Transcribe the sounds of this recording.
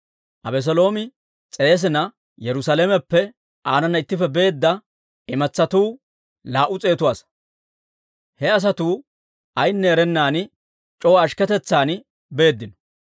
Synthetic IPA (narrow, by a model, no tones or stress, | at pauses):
ʔɐ̰bɛs̬ɔlo̞ːmɪ | t͡sʼe̞ːs̬ɪnɐ | jɛɾʊsɐlemɛpːɛ | ʔaːnɐnːɐɪt̪ːɪfɛbe̞ːd̪ːɐ | ɪmɐt͡sːɐt̪uː | laːʔʊt͡sʼe̞ːt̪ʊwaːs | hɛɐs̬ɐt̪uː | ʔɐjnːɛɛɾɛnːaːn | t͡ʃʼɔwɐʃkɛt̪ɛt͡sːaːn | be̞ːd̪ːɪnɔ̥